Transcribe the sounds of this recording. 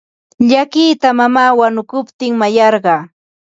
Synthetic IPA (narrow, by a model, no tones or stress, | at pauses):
ʎakiːt̪amamaːwanʊkʊpt̪ɪŋmajɑɾɢɑː